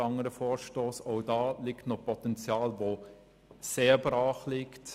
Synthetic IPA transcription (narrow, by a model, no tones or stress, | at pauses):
ɑŋəɾəfɔːɾʃtoːsoʊdɑːlɪktnɔpʰɔtɛnt͡sjɑːlʋo | seːɾbɾɑːχlɪkt